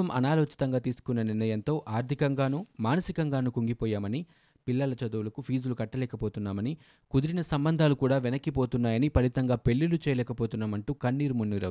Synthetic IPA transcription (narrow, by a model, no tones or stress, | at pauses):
ɐmʔɐ̰naːloːt͡ʃi̥t̪ɐŋɡaːt̪iːsu̥kunːɐniɾnɐjɐnt̪o̞ːʔaːɾt̪ʰikɐŋɡaːnumaːnɐsikɐŋɡaːnukuŋɡipɔːjaːmɐni | pilːɐlɐt͡ʃɐd̪uwulɐkupʰiːd͡ʒulukɐʈːɐlɛːkɐpoːt̪unːaːmɐni | kud̪iɾinɐsɐmbɐnd̪ʱaːlukuːɽaːʋɛnɐkːipoːt̪unːaːjɐnipɐlit̪ɐŋɡaːpe̞ɭːilut͡ʃɛːjɐlɛːkɐpoːt̪unːaːmɐɳʈuːkɐɳːiːɾumunːiɾɐ̰